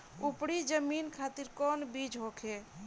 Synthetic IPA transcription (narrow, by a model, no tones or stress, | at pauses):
upɽid͡ʒəminkʰat̪iɾkɔnbid͡ʒɦokʰe